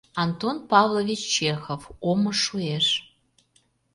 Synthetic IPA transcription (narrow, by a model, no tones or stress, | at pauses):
ɑnt̪onpɑvlˠovʲit͡ɕt͡ɕexovomɤʃueʃ